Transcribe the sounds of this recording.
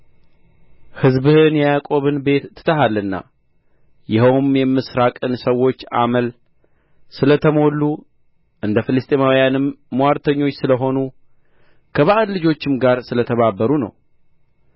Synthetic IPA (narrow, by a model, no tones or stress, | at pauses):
hɨzbɨhɨnjɛjakʼo̞βɨnbe̞t̪ːɨ̥t̪ʰəɦalːɨnːa̰ | jɪɦəwmjɛmːɨsɾakʼɨnsəwːo̞t͡ʃːa̰məl | sɨlət̪ʰəmo̞lːu | ʔɨnd̪əfɨlɨst̪ʼemawjanɨmːwaɾt̪ʰəɲːo̞t͡ʃːsɨləɦo̞nu | kʰəβaʔəllɨd͡ʒo̞t͡ʃːɪmɡaɾsɨlət̪ʰəβabːəɾunə̰w